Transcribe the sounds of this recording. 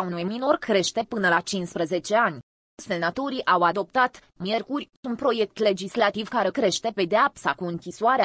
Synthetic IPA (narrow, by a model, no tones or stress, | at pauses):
unujmino̞rkɾe̞ʃt̪e̞pɨnəlat͡ʃinspɾəze̞t͡ʃe̞anʲ | selnat̪o̞ɾiʔawad̪o̞p̚t̪at̪ | mʲje̞rkurʲ | unt̪̚pɾo̞je̞k̚t̪le̞d͡ʒislat̪ivkaɾe̞kɾe̞ʃt̪e̞pe̞d̪eapsakuɨŋkʲiswaɾe